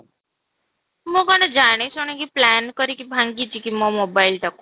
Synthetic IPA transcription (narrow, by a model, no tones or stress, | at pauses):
mõɡɔned͡ʒaɽ̃esoɳ̃ekiplɛnkəɾikibʱãŋɡit͡ʃikimɔmobailʈaku